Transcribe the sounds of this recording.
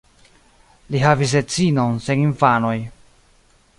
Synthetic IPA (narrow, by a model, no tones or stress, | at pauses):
liɦavis̬et͡sino̞nse̞ninfano̞j